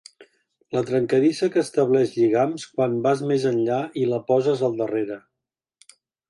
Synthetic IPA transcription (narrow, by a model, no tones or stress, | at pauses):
lət̪ɾəŋkəðisəkəːst̪əβ̞lɛʃʎiɣ̞amskwambazmezənʎailəpɔzəzəlˠd̪əreɾə